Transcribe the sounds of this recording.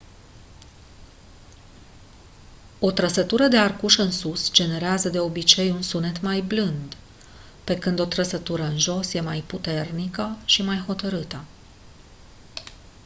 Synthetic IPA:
o̞t̪ɾəsət̪uɾəd̪e̞arkuʃɨnsusd͡ʒe̞ne̞ɾeazəd̪e̞o̞bit͡ʃe̞junsunet̪majblɨnd̪ | pe̞kɨnd̪o̞t̪ɾəsət̪uɾəɨnʒo̞sje̞majput̪e̞rnikəʃimajho̞t̪əɾɨt̪ə

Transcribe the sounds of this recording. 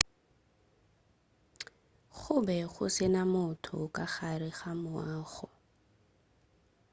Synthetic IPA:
χʊbɛχʊ̰sɪnamʊtʰʊ̰kaχarɪχamʊaːχɔ

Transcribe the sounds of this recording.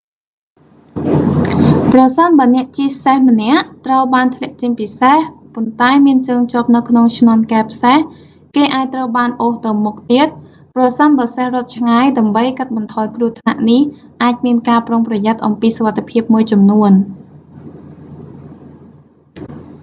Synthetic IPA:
prɑsənɓaənɛ̆əʔt͡ɕiəsehmə̆nɛ̆əʔt̪rəwɓaːnt̪ʰlɛ̆əʔt͡ɕəɲpisehpont̪aɛmiənt͡ɕəːŋt͡ɕŏəp̚nɨwkʰnoŋt͡ɕʰnŏənkaɛpʰseh | keːʔaːc̚t̪rəwɓaːnʔoːht̪əwmuk̚t̪iət̪̚ | prɑsənɓaːəsehrŏət̪̚t͡ɕʰŋajɗaəmɓəjkat̪̚ɓɑnt̪ʰɑːjkruət̪ʰna̰ʔnih | ʔaːc̚miənkaːproŋprɑjat̪̚ʔɑmpiːsoʋat̪ʰːepʰiəp̚muəjt͡ɕɑmnuən

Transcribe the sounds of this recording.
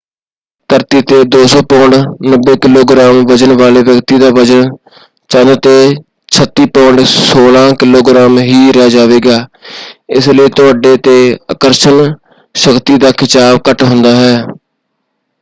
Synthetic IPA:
t̪əɾt̪iːt̪eːd̪oːsoːpɔːɳɖnəbːeːkɪloːɡɾaːmʋəd͡ʒənʋaːleːʋjəkt̪iːd̪aːʋəd͡ʒən | t͡ʃənt̪eː | t͡ʃʰət̪ːiːpɔ̃ːɳɖsoːlãːkɪloːɡɾaːmɦiːɾɛaːd͡ʒaːʋeːɡaː | ɪsləiːt̪ʊaːɖeːt̪eːəkəɾʃən | ʃəkt̪iːd̪aːkʰɪt͡ʃaːbkəʈɦʊ̃nd̪aːɦɛː

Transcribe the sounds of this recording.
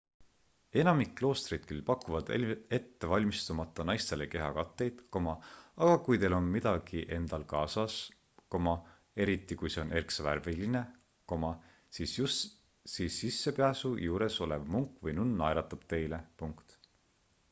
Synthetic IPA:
e̞nɑmikːlo̞ːst̪rid̪̥kylpɑkːˑuvɑd̪̥e̞t̪ːe̞vɑlʲmist̪umɑt̪ˑːɑnɑjst̪e̞le̞ke̞ɦɑkɑt̪ːe̞jd̪̥ko̞mɑɑɡ̥ɑkujt̪e̞lo̞nmid̪̥ɑɡ̥iʔe̞nd̪̥ɑlkɑːsɑs | ko̞mɑ | e̞ɾit̪ːˑikujse̞one̞rksɑværviline̞ | ko̞mɑ | sisu | siːsːisːe̞peæsujuːɾe̞so̞levmuŋkːˑvɤjnunːɑjɾɑt̪ːˑɑb̥̚t̪e̞jle̞puŋkt̪

